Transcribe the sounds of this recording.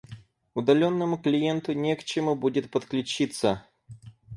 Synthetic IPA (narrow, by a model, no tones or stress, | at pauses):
ʊd̪ɐlʲonːəmʊklʲɪjent̪ʊnʲekt͡ɕɪmubudʲɪt̪̚pət̪klʲʉt͡ɕit̪sə